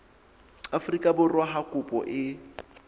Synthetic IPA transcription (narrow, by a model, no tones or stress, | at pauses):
afrikʼabʊrwaɦakʼʊpʼɔ̰ʔɪ